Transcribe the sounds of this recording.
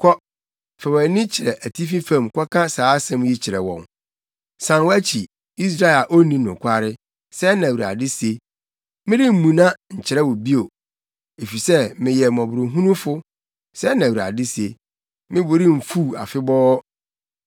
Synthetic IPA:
kʰɔ˦ | fɛ˨wɛ˨˦nɪ̃˦t͡ɕʰɪ˨ɾɛ˨ʔæ˨tʰi˦fi˦fã˨mkʰʷɔ˦kʰã˦saː˨˦sɛ̃˦m˦ji˦t͡ɕʰɪ˨ɾɛ˨wɔ̰̃˨n | sã˨nwæ˦t͡ɕʰi˨ | i˦s̬ɾa˦ɪ˨a˨ʔo˦nĩ˦nʊ̃˨kʷʰa˦ɾɪ˦ | sɛ˦nã˨wu˨ɾa̰˨dɪ˦si˨e˦ | mɪ̃˦dɪ˦m̩˦mũ˨nã˦ɲ̩˨t͡ɕʰɪ˨ɾɛ˦wɔ˨bi˦o˨ | e˨fi˨sɛ˦mɪ̃˨jɛ˨mɔ̃˨bʊ˨ɾʊ˨ɦũ˦nũ˦fʊ˦ | sɛ˦nã˨u˨ɾa̰˨dɪ˦si˨e˨ | mɪ̃˦bʊ˨ɾi˦m̩˨fu˦˨a̰˨fɪ˦bɔː˦

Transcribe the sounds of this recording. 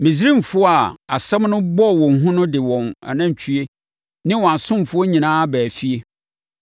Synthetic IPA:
mĩ˨s̬ɾĩ˦m̩˨fʊ˦ɔ˦a˨a˨sɛ̃˦mnʊ̃˦bɔ˦˨wɔ̃˨n˨ɦʊ̃˦nʊ̃˦dɪ˨wɔ̃˨na̰˨nã˦ɲ˨t͡ɕʰy˦e˦ | nɪ̃˦wɔ̃˨a˨sʊ̃˦m˨fʊ˦ɔ˦ɲĩ˨nãː˦bæː˨fi˦e˦

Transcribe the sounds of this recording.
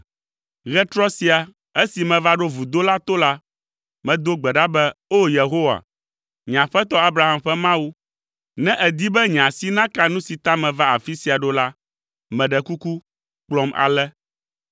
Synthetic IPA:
ɣɛ˦t̪ɾɔ˦si˦a˨ | e˦si˨mɛ̃˨va˦ɖo˦vu˨d̪o˦la˦t̪o˦la˦ | mɛ̃˨d̪o˦ɡ͡bɛ˨ɖa˦bɛ˦o˦je˨ɦo˦wa̰˨ | ɲã˨ɸɛ˦t̪ɔ˦a˦bɾa˨ɦa˦mɸɛ˦mã˦wu˦ | nɛ̃˦ʔɛ˨d̪i˦bɛ˦ɲ˨ã˨si˦nã˦ka˦nũ˦si˨t̪a˦mɛ̃˨va˦a˨fi˦si˨a˨ɖo˦la˦ | mɛ̃˨ɖɛ˨ku˦ku˦ | k͡plɔ˦ma̰˨lɛ˦

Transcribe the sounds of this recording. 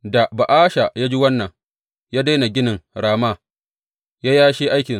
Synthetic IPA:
da˨ba˨ʔaː˦ʃa˨jaː˦d͡ʒi˦wɐ˦nːɐ˨ŋ | jaː˦da˦jna˨ɡʲɪ˦nɪ˨ŋɽaː˨ma˦ | jaː˦jaː˦ʃiː˦ʔa˦jkʲɪ˨

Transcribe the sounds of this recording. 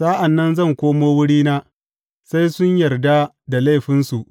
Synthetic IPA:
saː˦ʔa˨nːɐ˦nzɐ˦˨ŋkʷoː˦moː˦wʊ˦ɽiː˦naː˦ | sa˦jsʊ˦ɲjɐ˨rda˦ | da˨la˦˨jɸɪ˦nsu˨ʔ

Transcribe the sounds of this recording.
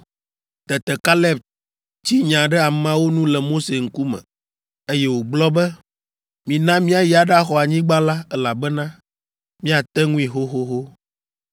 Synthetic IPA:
t̪ɛ˨t̪ɛ˨ka˦lɛ˦b | t͡ɕi˦ɲã˨ɖɛ˦a˨mã˦wo˦nũ˦lɛ˨mo˦se˨ŋ̩˦ku˦mɛ̰̃˨ | e˦jɛ˦wo˨ɡ͡blɔ˦bɛ˦ | mĩ˨nã˦mĩ˦a˨ji˨˦a˨ɖa˦xɔ˨a˨ɲĩ˦ɡ͡ba˦la˦ɛ˦la˨bɛ˦nã˦ | mĩ˦a˨t̪ɛ˦ŋũ˦ĩ˨ɦo˦ɦo˦ɦo˦

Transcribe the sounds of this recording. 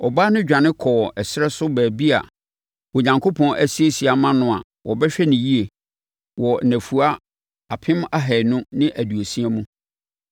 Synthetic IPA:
ɔ˨baː˦nʊ̃˦d͡ʑᶣã˨nɪ̃˦kʰɔː˨ɛ˨sɪ˦ɾɛ˦sʊ˦bæː˨bi˦a̰˨ | wo˨ɲã˨ŋkʰo˦pʰɔ̃˦nʔæ˦si˦e˦si˨a˨mã˦nʊ̃˦a̰˨ | wʔɔ˨bɛ˦ɕᶣɛ˦nɪ̃˨ji˦e˨ | wɔ˨næ̃˨fu˨a˦ | a˨pʰɪ̃˦ma˦ɦɛ˨nʊ̃˦nɪ̃˦ʔæ˨du˨o˨sĩ˦æ˦mũ˦

